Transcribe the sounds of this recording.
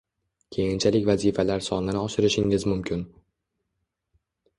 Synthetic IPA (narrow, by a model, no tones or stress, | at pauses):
kʲʰe̞jɪnt͡ʃʰalɪkʲvazifalaɾsɒnɪnɪɒʃɪɾɪʃɪŋɪzmʊmkʲʰɪn